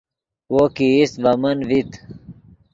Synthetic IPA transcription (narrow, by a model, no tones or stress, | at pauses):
wokiisbɐmɐnvit̪